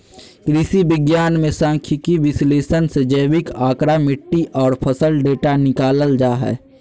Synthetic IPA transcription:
kɾisibɪɡjaːnmẽsãːŋkʰjɪkiʋɪsleːʃənsed͡ʒəjʋɪkaːkɾamɪʈːiʔɔːɾpʰəsəlɖeːʈanɪkaːləld͡ʒaːɦɛ̰ː

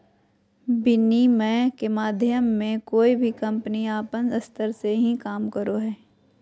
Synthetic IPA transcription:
bɪnimɛ̃ːkemaːd̪ʱjəmːẽkoːibʱikɐ̃mpəniaːpənəst̪əɾseɦĩkaːmkəɾoɦɛː

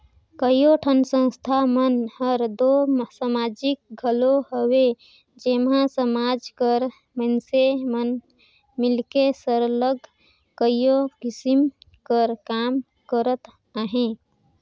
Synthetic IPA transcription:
kəjjoʈʰənsə̃w̃st̪ʰamənɦəɾd̪osamad͡ʒik̚ɡʱəloɦəwe | d͡ʒemɦãsəmad͡ʒkəɾ | mənsemən | milkesəɾləɡʱ | kəjjokisimkəɾkam | kəɾət̪ | aɦẽ

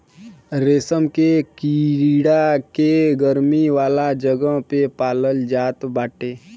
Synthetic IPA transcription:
ɾeːsəmkekiɾiːɽakeɡəɾmiʋaːlad͡ʒəɡəɦpepaːləld͡ʒaːt̪baːʈeː

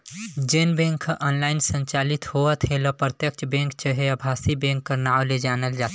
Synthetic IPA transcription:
d͡ʒenbẽŋkʰʔənlaɪnsə̃ɲt͡ʃalit̪hoət̪ɦeləpɾət̪jəkt͡ʃʰbẽŋkt͡ʃəɦeəbʱasibẽŋkːəɾnaoled͡ʒanəld͡ʒat̪ʰ

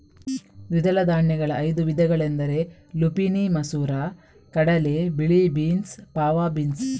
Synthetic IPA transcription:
d̪id̪ɐlɐd̪aːɳjɛɡɐɭɐʔːjd̪uʋid̪ʱɐɡɐɭend̪ɐɾe̞ | lupinimɐsuːɾaː | kɐɽɐlebiɭibiːnspaːʋaːbiːns

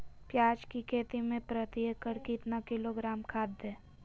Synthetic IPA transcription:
pjaːd͡ʒkikʰeːt̪imẽpɾət̪iəkəɾkit̪nakɪloɡɾaːmkʰaːd̪ɛː

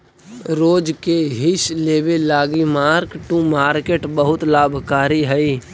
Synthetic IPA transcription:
ɾoːd͡ʒkeɦɪʃleːʋelaːɡimaːɾkʈũmaːɾkeːʈbəɦʊt̪laːbʱkaːɾiɦɛiː

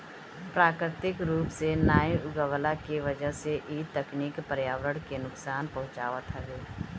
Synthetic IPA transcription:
pɾaːkɾɪt̪ɪkɾuːpsenaːjɪɡəʋlakiʋɐd͡ʒəɦseʔiːd̪t̪ːəkniːkpəɾjaːwɾəɽkenʊksaːnpɐɦʊ̃t͡ʃaːʋət̪ɦɛɦeː

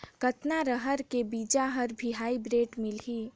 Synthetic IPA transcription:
kət̪naɾəɦəɾkebiːd͡ʒaɦəɾbʱiɦaːibɾeːʈmɪlɦi

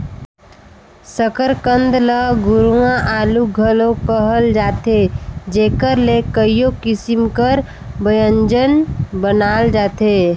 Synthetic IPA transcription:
səkəɾkənd̪ləɡuɾuãʔaːluɡʱəlokəɦəld͡ʒaːt̪ed͡ʒeːkəɾlekəijokɪsimkəɾ | bəjəɲd͡ʒənbənaːld͡ʒaːt̪e

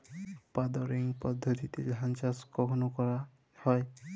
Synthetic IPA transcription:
pad̪ɔɾiŋpɔd̪ʱːɔt̪it̪ilɦant͡ʃaskɔkʰɔnɔkɔɾa | hɔj

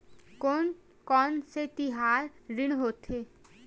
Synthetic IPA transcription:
koːn | kɔːnset̪ɪɦaːɾɾɪɽ̃ɦoːt̪eː

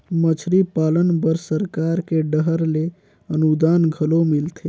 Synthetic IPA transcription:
mət͡ʃʰɾipalənbəɾsəɾkaɾkeɖəɦəɾle | ənud̪anɡʱəlomilt̪ʰe

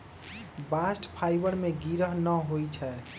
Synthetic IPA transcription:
basʈpʰajbəɾmeɡiɾəɦnəɦojt͡ʃʰɛ

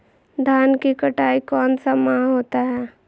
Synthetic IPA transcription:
d̪ʱaːnkikɐʈaːikɔːnsamãɦoːt̪aɦɛː

